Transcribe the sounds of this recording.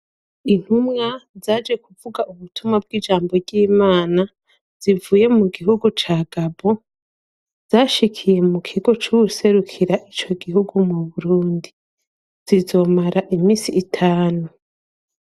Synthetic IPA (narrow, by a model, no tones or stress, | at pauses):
in̥humŋazaːd͡ʒe̞kuvuɡaʔuβutʰumŋab̚ɡiːd͡ʒaːmbo̞ɾɟiːmaːna | z̥ivuːje̞muɡiɦuɡut͡ʃaːɡabo | z̥aːʃikʰije̞mukʰiɡo̞t͡ʃuuse̞ɾukʰiɾaʔit͡ʃo̞ɡiɦuɡumuβuɾuːndi | z̥izo̞maɾaʔimiːsiːtʰaːnu